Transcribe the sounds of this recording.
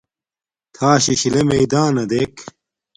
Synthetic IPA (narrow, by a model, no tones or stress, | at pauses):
t̪ʰaːɕiɕilemeid̪aːnɐd̪eːk